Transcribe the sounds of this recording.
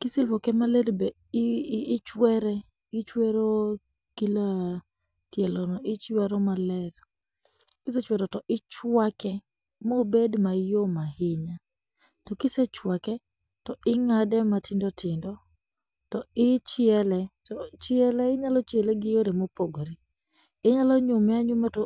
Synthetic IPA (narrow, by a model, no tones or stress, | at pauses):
kɪselwokɛmalɛdbe | t͡ʃwɛɾɛ | ɪt͡ʃweɾo | kila | tjɛlɔnɔɪt͡ʃwɛɾɔmalɛɾ | kɪset͡ʃwɛɾɔtɔʔɪt͡ʃwakɛ | mobedmajomahɪɲa | tɔkɪsɛt͡ʃwakɛ | tɔʔɪŋadɛmatʰindɔtʰɪndɔ | tɔɪt͡ʃɪɛlɛtɔt͡ʃɪɛlɛɪɲalɔt͡ʃeleɡɪjoɾemopoɡoɾi | ɪɲalɔɲʊmɛaɲʊmatɔ